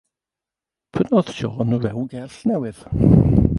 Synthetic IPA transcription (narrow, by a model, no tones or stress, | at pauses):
pʰənɔð̥ʃɔːnəɹɛwɡɛrɬnɛwɨð̥